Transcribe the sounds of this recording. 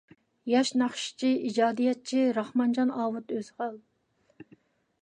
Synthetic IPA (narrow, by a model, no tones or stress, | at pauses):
jɑʃnɑχʃi̥t͡ʃʰiid͡ʒɑːd̪ijɛt̪̚t͡ʃʰiɾɑχmɑnd͡ʒɑnɑːwut̪øzʁɑlˠ